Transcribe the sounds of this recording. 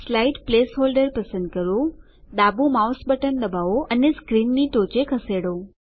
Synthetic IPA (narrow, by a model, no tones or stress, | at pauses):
slaiʈplesɦolɖəɾpəsə̃nd̪̚kəɾõ | d̪abumawsbəʈənd̪əbaʋoʔəneskɾinːiʈot͡ʃekʰəseɽo